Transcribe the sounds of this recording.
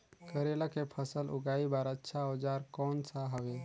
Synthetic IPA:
kəɾelakepʰəsəlʔṵɡaibaɾətːʃʰaod͡ʒaɾkɔnsaɦəbe

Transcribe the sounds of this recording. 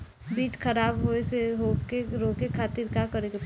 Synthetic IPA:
biːt͡ʃkʰəɾaːbɦoeseɦokeɾoːkekʰaːt̪iɾkakəɾekep

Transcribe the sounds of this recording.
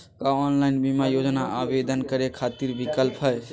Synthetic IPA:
kaɔnlajnbimajod͡ʒnaʔabed̪ənkəɾekʰat̪iɾbikəlpɦəj

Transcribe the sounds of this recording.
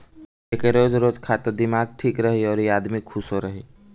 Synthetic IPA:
eːkeɾoːd͡ʒɾoːd͡ʒkʰaːt̪əɾd̪ɪmaːɡ̚ʈʰiːkɾəɦiɔːɾjiaːd̪mikʰʊsɦoɾəɦiː

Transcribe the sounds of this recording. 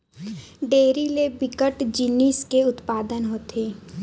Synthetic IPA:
ɖeːɾilebɪkəʈd͡ʒiniskeʊt̪paːd̪ənɦoːt̪ʰeː

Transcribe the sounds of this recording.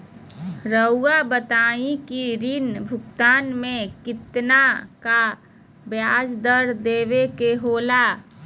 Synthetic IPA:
ɾəuabət̪aːikiɾinbʱʊkt̪aːnmẽkɪt̪naka | bjaːd͡ʒd̪əɾd̪eːwekeɦoːlaː

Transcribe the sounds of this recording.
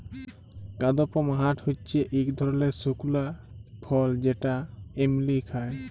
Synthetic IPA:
kad̪ɔpɔmaɦaʈʰhutːt͡ʃʰeʔikd̪ʱɔɾɔlesukulapʰɔld͡ʑeʈaemlikʰae

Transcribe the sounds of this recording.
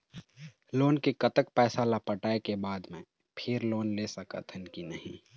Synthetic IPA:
loːnkikət̪ək̚pɛːsalapəʈaːekebaːd̪mẽ | pʰɪɾloːnleːsɐkə̰t̪ʰənkinəɦĩ

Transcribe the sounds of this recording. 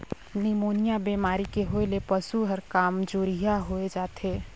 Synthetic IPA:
nimoːnɪjabemaːɾikeɦoilepəsuɦəɾkaːmd͡ʒoɾijaɦoed͡ʒaːt̪ʰeː

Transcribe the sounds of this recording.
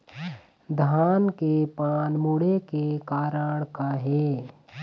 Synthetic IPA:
d̪ʱaːnkepaːnmuɽekekaːɾəɽ̃kaɦɛː

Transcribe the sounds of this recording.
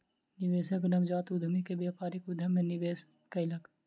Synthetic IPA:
nɪʋeːsɐknɐmd͡ʒaːt̪ʊd̪ʱəmikebjaːpaːɾikʊd̪ʱəmːẽnɪʋeːs | kɐɪlɐk

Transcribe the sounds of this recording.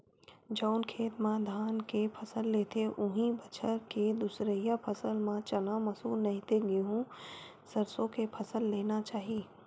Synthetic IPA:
d͡ʒaʊnkʰeːt̪mãd̪ʱaːnkepʰəsəlːeːt̪eʔʊɦĩbət͡ʃʰəɾked̪ʊsɾəjapʰəsəlmãt͡ʃɐnamɐsuːlnɐɦĩt̪eɡeɦũ | səɾsõkepʰəsəlːeːnat͡ʃaːɦiː

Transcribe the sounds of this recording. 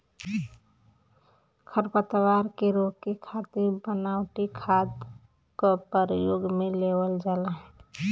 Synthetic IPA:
kʰəɾpət̪waɾkeɾokekʰat̪ɪɾbənawʈikʰad̪ | kopəɾjoɡmelewəld͡ʒalaɦ

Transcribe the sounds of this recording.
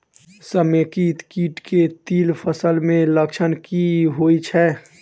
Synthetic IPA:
səmekit̪kiːʈket̪iːlpʰəsəlmẽləkt͡ʃʰənkiɦoːit͡ʃʰɛː

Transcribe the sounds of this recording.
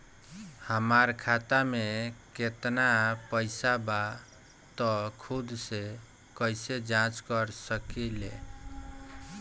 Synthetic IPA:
həmaɾkʰat̪ameket̪napəɪsaba | t̪ɔkʰud̪se | kəjsed͡ʒãt͡ʃkəɾsəkelḛ

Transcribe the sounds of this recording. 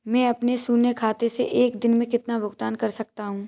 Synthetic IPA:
mɛ̃ːɐpnesuːnekʰaːt̪eseʔeːkd̪ɪnmẽkɪt̪naʋʊkt̪aːnkɐɾsɐk̚t̪aɦũː

